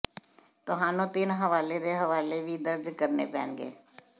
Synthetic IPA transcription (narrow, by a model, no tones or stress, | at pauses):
t̪ʊɦãːnõːt̪ɪnɦəʋaːleːd̪eːɦəʋaːleːʋiːd̪əɾd͡ʒkəɾnḛːpɛ̰ːnɡḛː